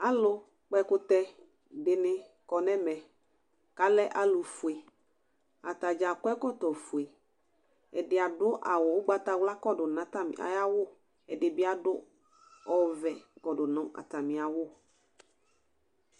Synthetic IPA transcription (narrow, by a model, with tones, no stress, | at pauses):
a˨lʊ˦ | k͡pɛ˦kʊ˦t̪ɛ˦ | dɪ˨nɪ̃˨ | kɔ˨nɛ̃˦mɛ̃˨ | ka˦lɛ˦ʔa˨lʊ˨fu˨e˨ | a˨t̪a˨d͡ʒa˨kɔ˦ɛ˦kɔ˦t̪ɔ˨fu˨e˨ | ɛ˨dɪ˨a˨dʊ˦ʔa˨wɔ˨wʊ˦ɡ͡ba˦t̪a˨wla˦kɔ˦dʊ˨nã˨˦t̪a˦m̰˨a̰˨ja˦wʊ˦ | ɛ˨dɪ˨bɪ˦a˦dʊ˦ | ɔ˦vɛ˨kɔ˨dʊ˨nɔ̃˦ʔa̰˨t̪a˨mɪ̃˨a˨wʊ˦